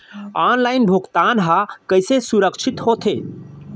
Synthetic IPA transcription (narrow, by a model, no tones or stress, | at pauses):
anlaːɪnbʱuɡt̪anɦakəjsesuɾəkt͡ʃʰit̪hot̪ʰe